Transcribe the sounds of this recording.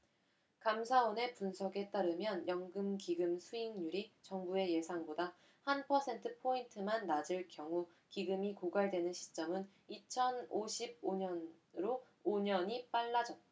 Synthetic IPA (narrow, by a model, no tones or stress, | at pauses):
kamsʰaone̞punsʰʌɡe̞t͈aɾɯmjʌnjʌŋɡɯmkiɡɯmsʰuiŋɲuɾit͡ɕʌŋbue̞je̞sʰaŋboda | hanpʰʌsʰe̞ntʰɯpʰointʰɯmanːad͡ʑɯɭkjʌŋu | kiɡɯmikoɡwaɭdwe̞nɯnɕʰi̥t͡ɕ͈ʌmɯn | it͡ɕʰʌnoɕʰib̚oɲʌn | ɾo | oɲʌɲip͈aɭːad͡ʑʌt͈̚